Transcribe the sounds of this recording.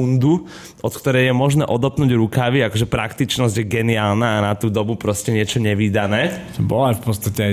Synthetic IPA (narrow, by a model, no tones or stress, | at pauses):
und̪u | ʔɔt̪kt̪ɔɾɛjjɛmɔʒnɛːʔɔd̪ɔpnuːɟɾukaʋiakɔʒɛpɾakt̪it͡ʃnɔzɟjɛɡɛniaːlnaanat̪uːd̪ɔbupɾɔscɛɲɪɛt͡ʃɔɲɛʋiːd̪anɛːt̪ɔbɔ̰lɔajfpɔt̪st̪acɛa